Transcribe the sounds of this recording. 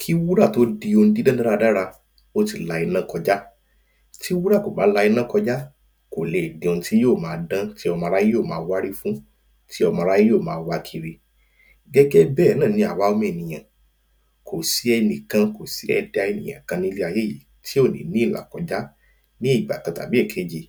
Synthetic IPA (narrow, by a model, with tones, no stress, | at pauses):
kʰi˦wu˦ɾa˦˨to˦di˧o˧n̩˦di˦dã˦da˦ɾa˧da˦ɾa˧ | o˦ti˦˨la˧i˧nã˦kɔ˧d͡ʒa˦ | ti˦wu˦ɾa˦˨ko˨ba˨˦la˧˦i˧nã˦kɔ˧d͡ʒa˦ | ko˨le˨dĩ˨o˧n̩˧ti˦joː˦˨mãː˨˧˦dã˦ti˦ɔ˧mã˧ɾa˦ji˦oː˦˨mãː˦wa˦ɾi˦fũ˦ | tʰi˦ɔ˧mã˧ɾa˦ji˦joː˦˨mãː˨˦˧wa˧kʰi˧ɾi˧ | ɡɛ˦ɡɛ˦bɛː˦˨˦nã˦˨nĩ˧˦a˨wa˨˦o˧mẽ˦˨nĩ˨j̃ã˨ | ko˨si˨˦ɛ˧nĩ˨kã˧ko˨si˨˦ɛ̰˧da˧e˧nĩ˨j̃ã̰˨kã˧nĩ˦li˦a˧je˦˨jḭ˨ | tʰi˦o˦˨nḭ̃˨˦nĩ˨˦˨la̰˨kɔ˧d͡ʒa˦ | nĩ˦i˦˨ɡ͡ba̰˨kã˧ta̰˨bi˨˦ɛ˦˨kʰe˨˦d͡ʒi˨